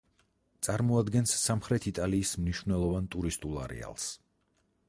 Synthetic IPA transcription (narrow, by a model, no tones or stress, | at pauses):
t̪sʼaɾmɔad̪ɡɛnsːamχɾɛt̪ʰit̪ʼaliːsmniʃvnɛlˠɔvant̪ʼuɾist̪ʼulˠa̰ɾɛ̰a̰lˠs